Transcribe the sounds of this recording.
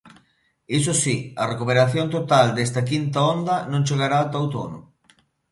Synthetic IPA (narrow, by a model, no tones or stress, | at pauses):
is̬osiɐrekupeɾaθjont̪ot̪ald̪est̪ɐkint̪aond̪ɐnõnt͡ʃeɣaɾawt̪awt̪o̰no̰